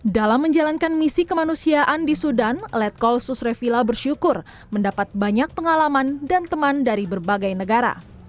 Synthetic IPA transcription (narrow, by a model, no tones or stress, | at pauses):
dalamːəɲd͡ʒalankanmisikəmanusiaʔandisudanlɛt̪̚kɔlsusrefilabərʃukʊr | məndapat̪̚baɲak̚pəŋalamandant̪əmandaɾibərbaɡajnəɡaɾa̰